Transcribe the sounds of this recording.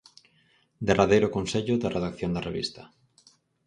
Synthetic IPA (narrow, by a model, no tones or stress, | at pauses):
d̪eraðejɾʊkonseʎʊðɐreðakθjond̪ɐreβḭst̪ɐ̥